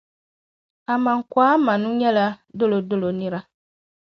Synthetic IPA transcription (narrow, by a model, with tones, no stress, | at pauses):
a˨mã˨ŋ̩˨kwa˦mã˨nũ˦ɲɛ̃˦la˦do˦lo˨do˦lo˨nĩ˦ɾa˦